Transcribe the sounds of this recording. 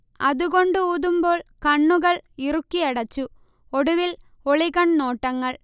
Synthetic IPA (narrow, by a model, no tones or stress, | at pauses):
ɐðuɣo̞ɳɖɨuːðumbo̞ːɭkɐɳːuɣɐɭirukːiɐɽɐt͡ɕːu | oɽuʋil | oɭiɣɐɳno̞ːʈːɐŋːɐɭ